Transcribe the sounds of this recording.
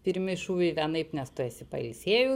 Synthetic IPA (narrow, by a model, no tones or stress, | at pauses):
pʲɪɾʲmʲɪʃuːʋʲɛɪʋʲɛnɐɪpnʲɛst̪ʊeːsʲɪpɐɪlʲsʲeːjʊ